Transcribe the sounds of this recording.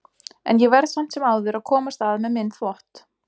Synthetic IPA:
ɛ̰njɛvɛɾð̥sam̥t̪sɛmaːwðʏɾaðkʰɔːmast̪aːðmɛðmɪnːθlɔht̪

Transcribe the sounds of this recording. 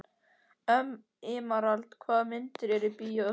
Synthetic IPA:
œm | ɪːmaɾalt̪kʰvaːðmɪnt̪ɪɾɛɾɪpijaœ

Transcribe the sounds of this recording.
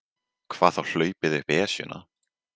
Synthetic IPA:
kʰv̥aːθawl̥œːɥpɪðʏhpɛːsjʏ̰na̰

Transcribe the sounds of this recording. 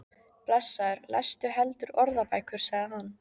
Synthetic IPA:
plɛsːaʏɾla̰jst̪ʏɦɛlt̪ʏɾɔɾðapaːjkʏɾ̥saɣðɪhanː

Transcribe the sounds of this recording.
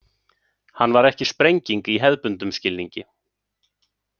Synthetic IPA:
hanːvaɾɛhcɪspɾejɲciŋkiɦɛðpʏnt̪ʏmscɪlniɲcɪ

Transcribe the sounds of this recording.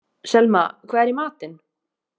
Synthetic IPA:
sɛlmakʰvaːɛɾimaːt̪ɪn

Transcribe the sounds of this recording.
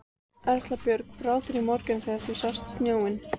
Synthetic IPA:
ɛr̥t̪lapjœɾkpɾaːwt̪ɪɾimɔɾkʏnθɛat̪ɪsast̪st̪njaːwɪn

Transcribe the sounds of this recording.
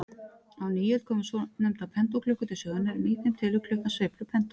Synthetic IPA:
awniːjɛlkʰɔːmsɔnɛmt̪apʰɛnt̪ɔwkʰlʏhkʏt̪ʰɪsœːɣðʏnɛɾmɪːt̪ɪmt̪ʰɪlʏkʰlʏhkansvejplʏpʰɛnt̪o

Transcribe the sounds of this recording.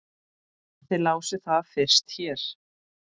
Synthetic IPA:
aθɪlaːwsɪθaðfɪr̥st̪çɛɾ̥

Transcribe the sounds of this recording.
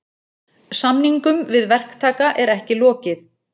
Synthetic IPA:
samniŋkʏmvɪðvɛr̥kt̪ʰaːkaʔɛɾɛhcɪlɔːcɪθ

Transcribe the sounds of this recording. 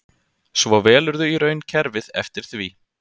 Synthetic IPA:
svɔvɛːlʏɾðʏiɾœːɥncʰɛɾvɪðɛ̰ft̪ɪɾ̥θviː

